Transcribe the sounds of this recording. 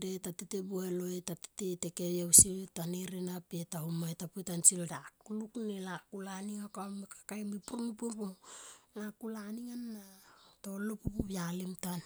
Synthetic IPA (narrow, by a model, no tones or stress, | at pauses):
detatetebueloetate̥tete̞keβjawsiltaniɾinapetahumoetapujtansildakuluknelakulaniŋakamikḁkajmipuɾnupupunakulaniŋanːatolupupubjalimtan